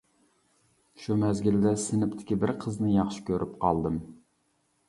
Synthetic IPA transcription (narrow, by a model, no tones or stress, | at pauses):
ʃumɛzɡʲild̪ɛsɪnɪpt̪ʰɪ̥kʲibɪɾqʰəznɨjɑχʃɪ̥kʲʰøɾʔyp̚qʰɑ̰lˠd̪ɨm